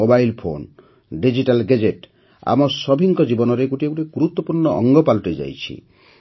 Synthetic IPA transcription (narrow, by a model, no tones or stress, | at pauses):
obajlpʰo̰n | ɖid͡ʒiʈalɡed͡ʒeʈ | a̰mɔsɔbʱiŋkɔd͡ʒibɔnɔɾeɡuʈieɡuʈiɡuɾut̪wɔpuɾnɔʔɔŋɡɔpalɔʈed͡ʒa̰jt͡ʃʰḭ